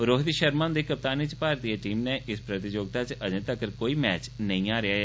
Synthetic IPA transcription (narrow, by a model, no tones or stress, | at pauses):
ɾoːɦt̪iʃəɾmãːnd̪eːkəp̚t̪aːniːt͡ʃpaːɾd̪ieʈiːmneːʔɪspɾət̪ɪd͡ʒoːɡ̚t̪at͡ʃəd͡ʒẽt̪əkəɾkoːiːmɛːt͡ʃnəĩːaːɾɪaːɦɛː